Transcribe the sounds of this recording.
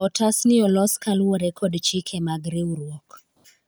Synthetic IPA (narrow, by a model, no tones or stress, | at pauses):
ɔtasnɪɔlɔskalwɔɾɛkʰɔdt͡ʃikʰemaɡɾeuɾwɔk